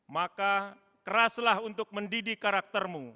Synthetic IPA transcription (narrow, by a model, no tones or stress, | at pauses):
maka | kəɾaslahunt̪ʊk̚məndidikaɾak̚t̪ərmu